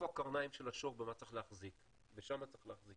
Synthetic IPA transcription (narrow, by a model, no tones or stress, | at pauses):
oakaʁnaimʃelaʃoʁbemat͡sʁe̥χleaχzik | veʃamat͡sʁeχleaχzik